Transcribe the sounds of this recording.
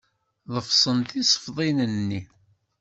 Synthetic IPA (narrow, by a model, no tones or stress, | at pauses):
ðˤəfsˤənt̪isˤə̥fðˤinənːi